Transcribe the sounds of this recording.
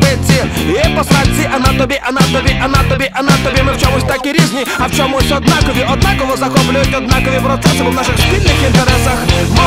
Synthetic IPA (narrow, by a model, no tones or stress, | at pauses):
bɪsʲiipɔsat͡sʲiʔɐnat̪ɔbʲɛʔɐnat̪ɔbʲiʔɐnat̪ɔbʲɛʔɐnat̪ɔbʲɛmɪwt͡ʃɔmʊsʲt̪akʲiɾʲiznʲiawt͡ʃɔmʊsʲtʲɔd̪nakɔvʲiʔɔd̪nakɔvɔzɐxɔplʲʊjʊtʲɔd̪nakɔvʲipɾɔt̪sɛsɪbɔwnaʂɨxspʲilʲnɪxint̪ɛɾɛsɐxm